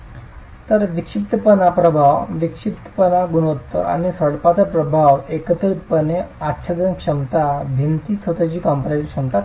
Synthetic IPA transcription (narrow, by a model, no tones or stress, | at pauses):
t̪əɾʋikʂip̚t̪əpənapɾəbʱaʋʋikʂip̚t̪ə̥pənaɡuɽot̪ːə̰a̰ñisəɽpat͡sapɾəbʱaʋekət̪əɾit̪pəneatːɕʰad͡z̪ənkʂəmt̪abʱint̪isət̪at͡ɕiːkãmpɾakʂəmt̪a